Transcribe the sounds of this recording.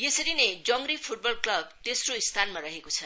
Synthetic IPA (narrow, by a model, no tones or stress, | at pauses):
jesʌɾined͡zʌŋɡripʰuʈ̚bʌlklʌb̚t̪esroist̪ʰanmaɾʌɦekot͡sʰʌ